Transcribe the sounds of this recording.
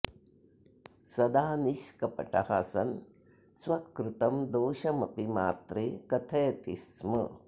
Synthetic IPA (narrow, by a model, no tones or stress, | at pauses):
sɐd̪aːniʃkɐpɐ̰ʈɐhɐsɐn | swɐkɾut̪ɐmd̪oːʃɐmɐpimaːt̪ɾeːkɐt̪ʰɐjɐt̪ismɐ